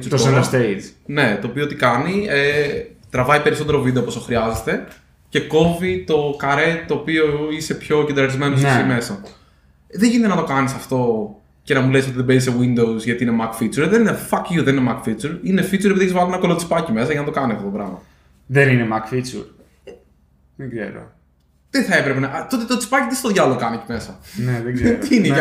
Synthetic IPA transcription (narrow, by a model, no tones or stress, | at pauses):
t͡ʃuɾt̪osɐnd̪st̪eine̞t̪oːpioot̪ikɐniet̪ɾɐvɐipe̞ɾisot̪e̞ɾovid̪eopost̪oxɾiɐzest̪e̞ | ce̞ko̞vit̪o̞kɐɾet̪oːpio̞ise̞pço̞cend̪ɾɐɾizme̞nossiime̞sɐ | ðeʝinit̪enɐt̪o̞kɐnisɐft̪o̞ | ce̞nɐmules̬ot̪iðebezisewind̪owsʝɐt̪iinemɐkfit͡suɾðeninefɐkjuðeninemɐkfit͡suɾinefit͡suɾepiðeçzvɐlinɐko̞lo̞t͡si̥pɐcime̞s̬ɐʝɐnɐt̪o̞kɐnisɐft̪ot̪opɾɐmɐ̰ | ðeninemɐkfit͡sṵɾ | ðeɡzḛɾo̰ | t̪eθɐe̞pɾe̞penɐt̪o̞t̪̬et̪ot͡si̥pɐcit̪est̪oðʝɐlokɐnecimesɐnneðezne